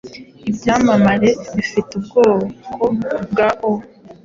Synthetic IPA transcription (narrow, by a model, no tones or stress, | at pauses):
ibɟaːmamaɾeβifitubɡoːkobɡaʔo